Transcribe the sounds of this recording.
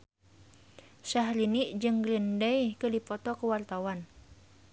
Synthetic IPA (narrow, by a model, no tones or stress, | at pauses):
saɦliniʔd͡ʒɨŋɡlindɛjkədipɔt̪ɔkəwart̪awan